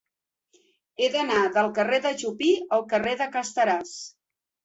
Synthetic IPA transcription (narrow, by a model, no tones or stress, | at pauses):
ed̪ənaðəlˠkəreðəʒupiəlˠkəreðəkəst̪əɾas